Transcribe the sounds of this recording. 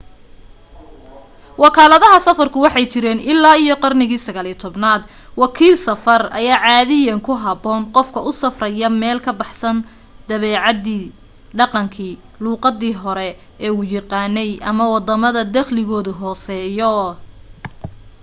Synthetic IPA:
wɑkʰaːlɐðɐɦɐsɐfɐrkʰʊwɑħɑjt͡ʃɪɾɛːnɪlːaːijɔqɑrnɪɣiːsɐɣaːliːt̪ʰɔbnaːd̪ | wɑkʰiːlsɐfɐrɐjaːʕɑːðɪjɐŋkʰʊɦɐbɔːnqɔfkʰɐʊsɐfrɐjɐmɛːlkʰɐbɑħsɐn | d̪̥ɐβɛːʕɑd̪iː | ɖɑqɑŋkʰiː | luːqɑd̪iːɦɔɾɛ | ʔɛːuːjɑqɑːnːɛjʔɐmɐwɑd̪ɐmɐðɐd̪ɐχlɪɣɔːðʊɦɔːsɛːjɔ

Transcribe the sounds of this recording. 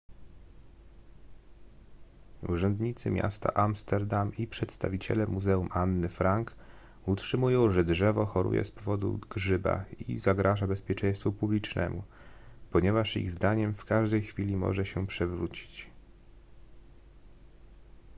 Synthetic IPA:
uʐɛnd̪ɲit̪sɘmʲja̰st̪a̰ʔamst̪ɛɾd̪amipʂɛt̪st̪a̰vʲit͡ɕɛ̰lɛmuzɛumʔanːɘfɾaŋk | utʂɘmujɔ̃w̃ʐɛdʐɛvɔxɔɾṵjɛ̰spɔvɔd̪ṵɡʐɘba̰ḭzaɡɾaʐabɛspʲjɛt͡ʂɛ̃j̃st̪fupublʲit͡ʂnɛ̰mu | pɔɲɛvaʂḭɣzd̪aɲɛmfkaʐd̪ɛjxfʲilʲimɔ̰ʐɛɕɛpʂɛvɾut͡ɕi̥t͡ɕ

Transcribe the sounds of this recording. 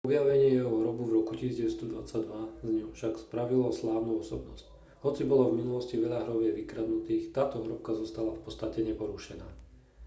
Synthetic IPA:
ɔbɪaʋɛɲɪɛjɛɦɔɦɾɔbuvɾɔkuciːsizɟɛʋɛst̪ɔd̪ʋa̰t͡saɟd̪ʋazɲɔfʃakspɾaʋilɔslaːʊnuɔsɔbnɔsc | hɔt͡sibɔlɔvminulɔsciʋɛʎaɦɾɔʋjɛʋikɾad̪nut̪iːxt̪aːt̪ɔɦɾɔpkazɔst̪alafpɔtt͡st̪acɛɲɛpɔɾuʃɛnaː

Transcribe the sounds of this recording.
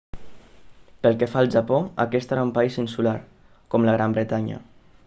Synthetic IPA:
pəlˠkefaəlˠʒapoəkɛst̪əɾaumpaizinsulaɾ | kɔmləɣ̞ɾambɾet̪aɲə̰

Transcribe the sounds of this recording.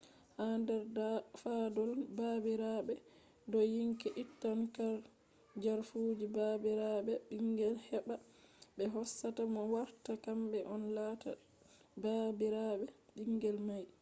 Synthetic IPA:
handɛɾafadɔlbabiɾabɛ | dɔjiŋkɛʔitːankaɾ | d͡ʒaɾfud͡ʒibabiɾabɛɗiŋɡɛlhɛɓa | ɓɛɦɔsːatamɔwaɾtakambɛʔɔnlaːta̰ | babiɾaɓɛɗiŋɡɛlmaj

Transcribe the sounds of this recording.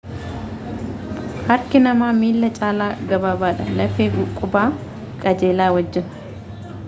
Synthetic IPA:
hɐɾkɪnɐmaːmiːlːɐt͡ʃʼaːlaːɡɐbaːbaːᶑɐlɐfeːɡʊkʼːʊbaː | kʼɐd͡ʒeːlaːwɐd͡ʒːɪnʊ̥

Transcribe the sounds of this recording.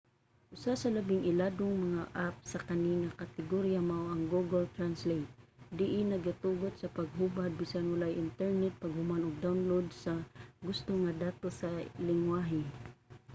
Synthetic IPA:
ʔʊsasalabɪŋʔɪlad̪oŋmaŋaʔap̚sakaniŋakat̪ɪɡoɾjamawʔaŋɡuɡalt̪ɾanslejt̪̚ | d̪ɪʔɪnɐɡat̪uɡot̪̚sɐpaɡ̚ɦubad̪̚bisanwalajʔɪnt̪ɛɹnɛt̪̚paɡ̚hʊmanʊɡ̚d̪awnlod̪saɡʊst̪oŋad̪aːt̪osalɪŋwaɦɪ

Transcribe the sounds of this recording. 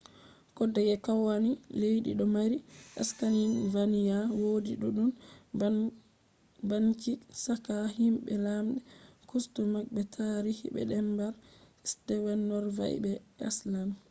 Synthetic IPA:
kɔdːɛɡɛkawanilejɗḭɗɔmaɾiʔaskaninvanijawodiɗuɗun | bankisakahimɓɛlamɗɛkustumak̚ɓɛtʰaɾihḭɓɛ̰ɗɛmbaɾsdɛwɛnːɔɾva̰j̰bɛa̰slam

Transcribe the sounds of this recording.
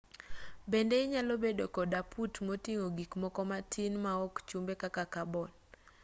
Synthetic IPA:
bendeɲalobedokɔdapʰutmotiŋoɡikmɔkɔmatʰinmaɔkt͡ʃumbekakakabɔn

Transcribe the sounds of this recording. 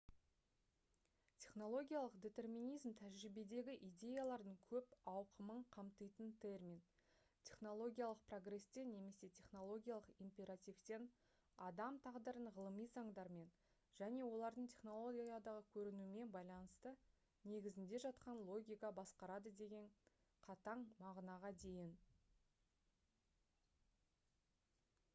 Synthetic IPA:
t̪ʲʰe̞χno̞lˠo̞ɡʲijalˠəqd̪ʲe̞t̪e̞rmʲinijzmt̪ʰæʒɾɪbe̞d̪e̞ɡʲɪʔijd̪ʲe̞jalˠɑɾd̪əɴkʲʰɵpɑwqəməɴqʰɑmt̪əjt̪ənt̪ʰe̞rmʲin | t̪ʲʰe̞χno̞lˠo̞ɡʲijalˠəq̚pro̞ɡre̞st̪e̞ne̞me̞se̞t̪ʲʰe̞χno̞lˠo̞ɡʲijalˠəqimpʲe̞ɾat̪ʲift̪e̞n | ɑd̪ɑmt̪ʰɑʁd̪əɾənʁəlˠəmijzɑɴd̪ɑɾme̞n | ʒ̥æne̞wo̞lˠɑɾd̪əɴt̪ʲʰe̞χno̞lˠo̞ɡʲiijad̪ɑʁəkʲʰɵɾɪnume̞nbɑjlˠɑnəst̪ə | ne̞ɡʲɪzɪnd̪e̞ʒɑt̪qɑnlˠo̞ɡʲijkɑbɑsqɑɾɑd̪əd̪e̞ɡʲe̞ɴ | qʰɑt̪ɑɴmɑʁnɑʁɑd̪e̞jɪn

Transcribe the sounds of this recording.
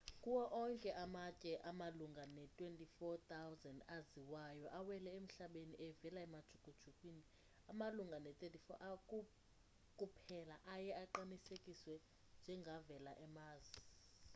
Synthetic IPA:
kʼuwɔʔɔŋkʼɛʔamacʼɛʔamaluŋɡʱanɛtʼwentʼifɔt̪ʰʼawzɛndaziwajɔʔawɛlɛem̩ɬaɓeniʔɛvɛlaɛmad̥ʒ̥ʰʱuɡ̥ʱud̥ʒ̥ʰʱukʼwini | amaluŋɡʱanɛt̪ʼetʼifɔ̰ʔakʼu | kʼupʰɛlaʔajɛaǃanisekʼiswɛ | nd͡ʒʱɛŋɡʱavɛlaʔɛmaːzi

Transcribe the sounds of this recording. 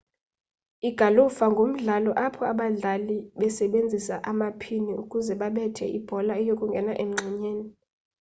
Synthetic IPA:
iɡ̥ʱalufaŋɡʱom̩ɮalɔʔapʰɔaɓaɮaliɓɛsɛɓend͡zʱisaʔamapʰiniukʼuzɛɓaɓɛtʰɛ̰ʔib̥ʱɔlaɛjokʼuŋɡʱɛnaʔɛm̩ŋ͡ǁʱɛɲeːni

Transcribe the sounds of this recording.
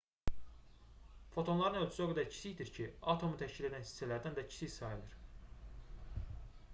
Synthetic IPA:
fo̞t̪ʰo̞nlˠɑɾɯnølʲt͡ʃ̪ʰysoɡød̪æɾcʰi̥siçd̪iɾcʰiɑt̪ʰo̞mut̪ʰæʃcile̞d̪ænsi̥sælæɾd̪ænd̪æcʰi̥sijsɑjɯlˠɯɾ̥

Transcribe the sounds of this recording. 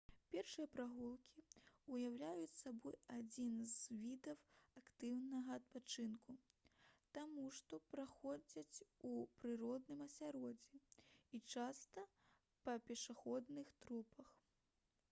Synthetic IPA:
pʲɛrʂɨjɐpɾaɣulˠkʲiujawlʲajut͡sʲsabɔjad͡zʲinzvʲid̪ɐwakt̪ɨwnɐɣɐːt̪̚pat͡ʂɨnku | t̪amuʂt̪ɔpɾaxɔd͡zʲɐt͡sʲupɾɨɾɔd̪nɨmɐsʲaɾɔd͡zʲɛit͡ʂast̪ɐ | pɐpʲɛʂaxɔd̪nɨxt̪ɾupɐx

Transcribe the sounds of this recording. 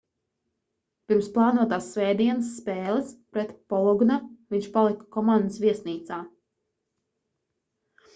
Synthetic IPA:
piɾmsplˠɑːnuɔt̪aːsːvɛjd̪iɛnəsːpɛːlˠɛspɾɛt̪pɔlˠɔɡnaviɲʲt͡ʃʃpalˠikḁkɔmand̪əsviɛsniːt̪saː

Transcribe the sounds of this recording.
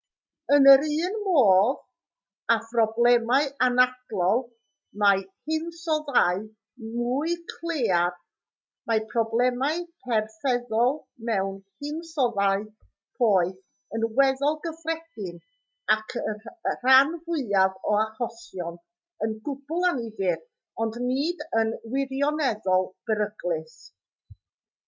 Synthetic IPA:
ənəɾɨːnmoːð | aprɔblˠɛmaɨʔanad̥lˠɔlˠ | majhɪnsɔðaɨ | muːɨkʰlˠeːar | mapʰrɔblˠɛmaɨpʰɛrθɛðɔlˠmɛwnhɪnsɔðaɨ | pʰoːɨθ | ənwɛðɔlˠɡəfrɛd̥ɪn | akʰər̥anvʊɨavɔahɔsjɔn | ənɡʊb̥ʊlˠanivɪr | ɔndniːdənwɪɾjɔnɛðɔlˠb̥əɾəɡlˠɨs

